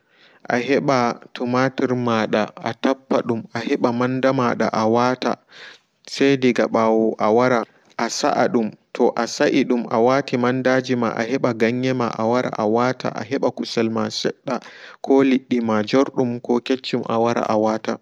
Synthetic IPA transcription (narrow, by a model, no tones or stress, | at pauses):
ʔaɦɛɓatumatiɾmaɗaʔatapːaɗumʔahɛɓamandamaɗa̰ʔawata̰ | sɛjdiɡaɓawɔʔawaɾa | ʔasa̰ʔaɗumtʰɔʔasaʔiɗumʔawatimandad͡ʒima̰ʔa̰hɛɓaɡaɲːɛma̰ʔawaɾa̰ʔawata̰ʔa̰ɦɛɓakusɛlmasɛɗːakʰɔliɗːimad͡ʒɔɾɗumkɔket͡ʃːumʔa̰waɾa̰ʔawaːta